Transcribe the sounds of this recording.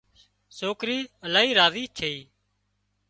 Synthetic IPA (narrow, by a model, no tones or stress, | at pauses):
soːkɾiːəlaːɦiːɾaːʋiːt͡ʃʰeiː